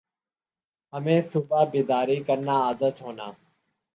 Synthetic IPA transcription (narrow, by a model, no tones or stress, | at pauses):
ɦəmẽːsʊbaːbɪːd̪aːɾiːkəɾnaːaːd̪ət̪ɦoːnaː